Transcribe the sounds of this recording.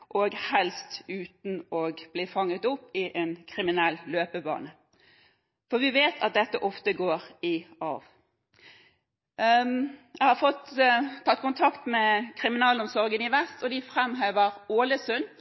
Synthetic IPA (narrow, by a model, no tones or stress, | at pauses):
ʔoːɡhɛlst̪ʉːt̪n̩ɔɡb̥liːfɑŋːət̪ʊpːɪʔeːnkʰʁɪmɪnɛlːløːpəbɑ̰ːnə | fɔʋɪʋeːt̪ʰɑ̰t̪̚d̪ɛt̪ːəʔɔft̪əɡoːʁɪɑ̰ʋ | jæɪhɑfɔt̪t̪ʰːɑt̪̚ːkʊnt̪ʰɑkt̪mɛkʰʁɪmɪnɑːlɔmsɔɾɡənɪʋɛst̪ʰɔd̪ɪfʁɛmɦeːʋəʁoːləsʉn